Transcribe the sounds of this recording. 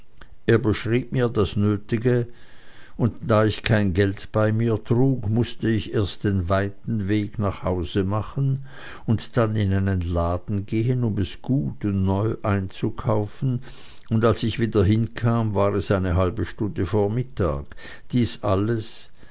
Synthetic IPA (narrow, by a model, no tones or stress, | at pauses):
ʔeːɐbəʃʁiːp̚miːɐdasnøːtɪɡə | ʊntd̥aːɪçkʰaɪnɡɛltb̥aɪmiːɐtʁ̥uːkmʊstəɪçeːɐst̚d̥eːnvaɪtn̩veːɡnaχhaʊzəmaχən̩ | ʊntd̥anɪnaɪnənlaːdn̩ɡeːənʊmɛsɡ̥uːtʊnnɔʏʔaɪnt͡sukʰaʊfn̩ | ʊndalsɪçv̥iːdɐɦɪnkʰaːmvaːʁɛsaɪnəɦalbəʃtʊndəfoːɐmɪtʰa̰ːk | d̥iːsʔaləs